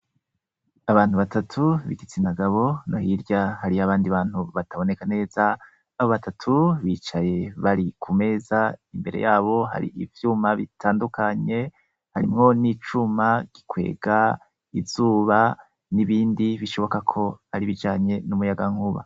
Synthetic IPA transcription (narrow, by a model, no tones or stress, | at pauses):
aβaːnhuβatatʰuβiɡit͡sinaɡaβo̞nohiɾɟahaɾiaβaːndiβaːn̥huβataβo̞ne̞kane̞ːzaː | βo̞βatatʰuβiːt͡ʃaje̞βaɾikʰume̞ːzaimbe̞ɾejaːβo̞ɦa̰ɾḭʔivjumaβitʰaːndukaɲe̞ | haɾimŋo̞nit͡ʃumaɡ̥ikwe̞̰ːɡa | ivz̥uːβa | niβiːndiβiʃo̞βo̞kakʰo̞aɾiβid͡ʒaːɲe̞numujaɡaŋ̥uβa̰